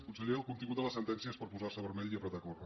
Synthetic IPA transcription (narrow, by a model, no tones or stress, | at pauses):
kunsəʎeəlˠkunt̪iŋɡut̪ələsənt̪ɛnsiəspəɾpuzaɾsəβəɾmɛʎiəpɾət̪akorə